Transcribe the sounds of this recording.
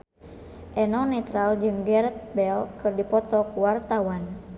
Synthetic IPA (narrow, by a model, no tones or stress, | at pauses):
ʔɛnɔnɛt̪ɾald͡ʒɨŋɡɛrɛt̪̚bɛlkɨrdipɔt̪ɔkuwart̪awan